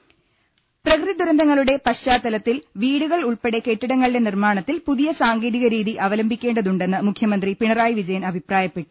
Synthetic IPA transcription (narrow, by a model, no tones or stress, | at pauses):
prɐkɾɨid̪uɾɐnd̪ʱɐŋːɐɭuɽe̞pɐɕːaːt̪ːɐlɐt̪ːilʋiːɽuɣɐɭuɭpe̞ɽe̞ke̞ʈːiɽɐŋːɐɭɽe̞nirmaːɳɐt̪ːilpuðijɐsaːŋɡeːɾiɣɐɾiːðiʔɐʋɐlɐmbʱikʲːe̞ːɳɖɐðuɳɖe̞nːɨmukʰjɐmɐnd̪ripiɳɐraːjiʋid͡ʑɐjɐnɐbʱipraːjɐpːe̞ʈːu̥